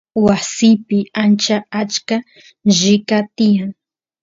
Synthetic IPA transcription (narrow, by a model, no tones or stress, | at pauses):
wasɪjpɪant͡ʃaat͡ʃka | ʒɪkat̪ɪjaŋ